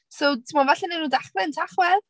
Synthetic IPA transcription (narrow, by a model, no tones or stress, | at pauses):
sowtʰimavaɬɛnenuːdaχrɛntʰaχwɛð